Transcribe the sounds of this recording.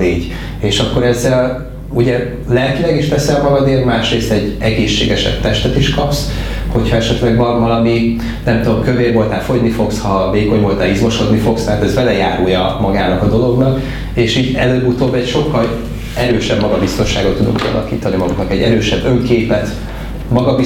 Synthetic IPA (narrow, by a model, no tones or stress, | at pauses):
iːɟ | eːʃɒkːo̞ɾɛzːɛl | uɟɛ | lɛlkilɛɡiʃt̪ɛsɛlmɒɡɒd̪eːɾmaːʃreːst̪ɛɟːɛɡeːʃːḛːɡɛʃɛ̰bt̪ɛʃt̪ɛt̪iʃkɒps | ho̞chɒɛʃɛt̪lɛɡbɒrvɒlɒmi | nɛmt̪ud̪omkøveːrvo̞lt̪aːlfoɟnifo̞kshɒveːko̞ɲvo̞lt̪aːlizmo̞ʃo̞d̪nifo̞kst̪ɛɦaːt̪ɛzbɛlɛjaːɾujɒmɒɡaːnɒkɒd̪o̞lo̞ɡnɒk | eːʃiːɟɛløːbut̪oːbːɛcʃo̞kːɒl | ɛɾøːʃɛbmɒɡɒbist̪o̞nʃa̰ːɡot̪ːud̪ṵŋkḭɒ̰lʔɒ̰kḭːt̪ɒnimɒɡuknɒkɛɟːɛɾøːʃɛbːøŋkeːpɛt̪ | mɒɡɒb